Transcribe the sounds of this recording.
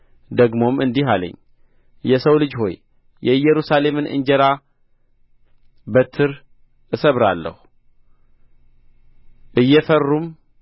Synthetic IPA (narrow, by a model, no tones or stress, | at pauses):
d̪əɡmo̞mɨnd̪iɦalə̰ɲː | jɛsəwlɨd͡ʒho̞j | jɛjɛɾusale̞mɨnɨ̰nd͡ʒɛɾa | bət̪ʰːɨɾ | ɨsəβɾalːə̰hu | ʔɨjːɛfərːum